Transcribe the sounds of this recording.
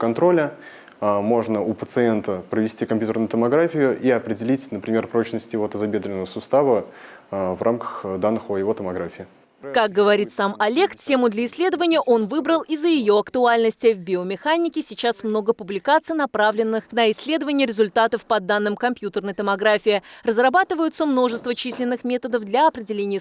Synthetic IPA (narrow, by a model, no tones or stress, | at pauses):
kɐnt̪ɾo̞lʲə | mo̞ʐnəʊpət̪sɨent̪əpɾəvʲɪsʲtʲikɐmpʲjut̪ərɾnʊjʊt̪əmɐɡɾafʲɪjʊʔiɐpɾʲɪdʲɪlʲitʲnəpɾʲɪmʲe̞rpɾo̞t͡ɕnəsʲtʲɪjɪvot̪əzɐbʲe̞d̪ɾʲɪnəvəsʊst̪avə | vrʔamkə̥xd̪anːɨxʊjɪvo̞t̪əmɐɡɾafʲɪː | kak̚ɡəvɐɾʲit̪samɐlʲe̞ktʲe̞mʊd̪lʲəɪsʲlʲe̞d̪əvənʲɪjəʔo̞nvɨbɾəlˠizːəjɪjo̞ɐkt̪ʊalʲnəsʲtʲɪvʲbʲɪomʲɪxanʲɪkʲɪsʲɪt͡ɕasmno̞ɡəpʊblʲɪkat̪sɨjnɐpɾavlʲɪnːɨxnəɪsʲːlʲe̞d̪əvənʲɪjəɾʲɪzʊlʲt̪at̪əfpɐd̪anːɨmkɐmpʲjut̪ərnəjt̪əmɐɡɾafʲɪɪrəzrɐbat̪ɨvəjʊt̪səmno̞ʐɨst̪vət͡ɕisʲlʲɪnːɨxmʲe̞t̪əd̪əfd̪lʲɐɐpɾʲɪdʲɪlʲenʲɪjə